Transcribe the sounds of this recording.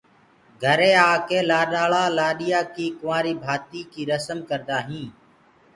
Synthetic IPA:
ɡʱəɾẽːaːkeːlaːɗaːɭaːlaːɗɪjaːkiːkʊʋãːɾiːbʱaːt̪iːkiːɾəsəmkəɾd̪aːɦĩː

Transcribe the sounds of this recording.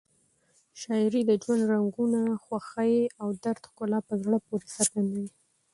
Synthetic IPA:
ʃɑɪɾid̪əd͡ʒwand̪ɾaŋɡunaxwaxajeawd̪aɾt̪xkolɑpəzɽəpoɾesaɾɡand̪awi

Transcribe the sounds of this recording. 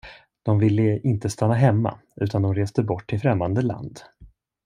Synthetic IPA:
d̪̥ɔmvɪlːəɪnt̪əst̪ʰanːaɦɛmːa̰ | ʉ̟ːt̪ʰand̪ɔmɾeːsd̪əbɔʈʰːɪlfɾɛmːand̪əla̰nd̪

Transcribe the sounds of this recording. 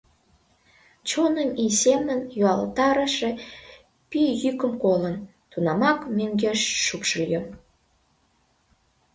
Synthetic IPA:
t͡ɕonəmisemənjuɑlt̪ɑɾəʃe | pyjykə̆mkolən | t̪unɑmɑkmøŋɡeʃːupʃəljom

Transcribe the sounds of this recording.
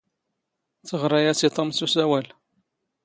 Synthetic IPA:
t͡səʁɾˤɑjæsit̪ˤɑmsusæwæl

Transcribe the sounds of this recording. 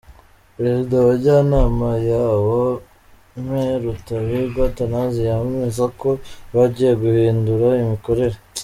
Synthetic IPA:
pɾe̞zidawaɾɟanaːmajaːwo | m̥heɾutaβiɾɡwatanazijammizako̞βaɟijeɡuhiːnduɾaimiko̞ɾe̞ɾe

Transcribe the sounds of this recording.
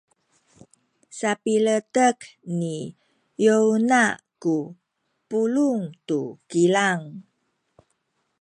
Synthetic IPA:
sapilətəkni | jounaku | puluŋt̪ukilaŋ

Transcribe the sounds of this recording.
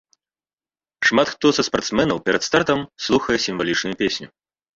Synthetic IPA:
ʂmat̪xt̪ɔzɐspart̪smɛnɐwpʲɛɾɐt̪st̪art̪ɐmslˠuxɐjɛsʲimvalʲit͡ʂnʊjupʲesʲnʲu

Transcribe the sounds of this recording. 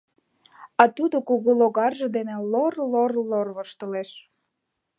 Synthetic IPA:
ɑt̪ud̪okuɣuloɣɑrʒĕd̪enelorlorlorβəʃt̪ə̆leʃ

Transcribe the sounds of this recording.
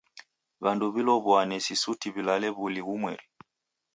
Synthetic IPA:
βanduβilɔβwanɛsisutiβilalɛβuliɣumwɛli

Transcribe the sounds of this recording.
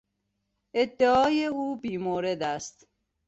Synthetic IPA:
ed̪ːeɒːjeuːbiːmoːɾed̪æst̪

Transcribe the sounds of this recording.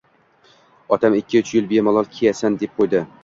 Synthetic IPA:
ɒt̪ʰamɪkʲːɪʊt͡ʃʰɪjɪlˠbemɒlˠɒlˠkʲʰejasand̪ep̚qʰojd̪ɪ

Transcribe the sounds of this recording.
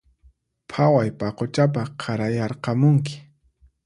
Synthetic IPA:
pʰawajpaqot͡ʃap̬aqʰaɾajɑɾqɑmʊŋkɪ̥

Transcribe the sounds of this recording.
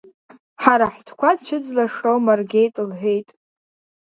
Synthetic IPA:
ħaɾaħtʰkʷadt͡ʃʰɪd͡zlaʂowmarɡʲe̞jtʼɨlħʷejtʼ

